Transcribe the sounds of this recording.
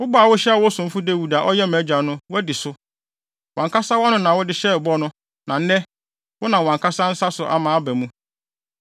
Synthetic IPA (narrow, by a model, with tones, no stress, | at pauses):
wʊ˦ba˦˨wʊ˦ɕɛ˦a˨wʊ˦sʊ̃˨m̩˦fʊ˦de˦wu˨da˨ʔɔ˦jɛ˦mæ̃˨˦d͡ʑᶣã˨nʊ̃˦wʊ˦æ˦dɪ˨sʊ˦ | wã˨ŋkʰa˦sa˦wa˦nʊ̃˦nã˨wʊ˦dɪ˦ɕɛ˦˨bɔ˦nʊ̃˦ | nã˨n̩˦nɛ˦ | wʊ˦nã˨wã˨ŋkʰa˦sa˦n̩˦sa˦sʊ˨ʔa̰˨mãː˨˦bæ˨mũ˦